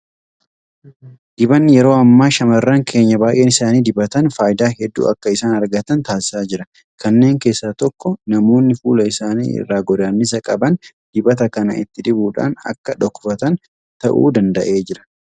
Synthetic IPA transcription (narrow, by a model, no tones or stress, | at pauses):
d̪̥ɪbɐnːɪjɛɾo̞ːɐmːaːʃɐmɐrːɐŋkʰe̞ːɲːɐbaːʔe̞ːnɪsaːniːd̪ɪbɐt̪ɐnfaːjɪd̪aːhɛd̪ːṵːɐkːɐɪsaːnɐɾɡɐt̪ɐnt̪aːsɪ̥saːd͡ʒɪɾɐ | kɐnːe̞ːŋke̞ːsːaːt̪ɔkːɔnɐmo̞ːnːɪfuːlɐɪsaːnḭːɪ̰rːaːɡɔd̪aːnːɪs̬ɐkʼɐbɐn | d̪̥ɪbɐt̪̬ɐkɐnɐ̰ʔɪ̰t̪ːɪd̪ɪbuːᶑa̰ːnɐ̰kːɐᶑɔkːʊfɐt̪ɐn | t̪ɐʔṵːd̪ɐnd̪ɐʔe̞ːd͡ʒɪɾɐ̥